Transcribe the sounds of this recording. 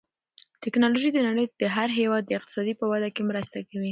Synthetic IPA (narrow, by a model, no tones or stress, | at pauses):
t̪ɪknɑloʒid̪ənaɽəjd̪̥əɦaɾɦewɑd̪̚ːəɪqt̪ɪ̥sɑd̪ipəwad̪akemɾəst̪akawi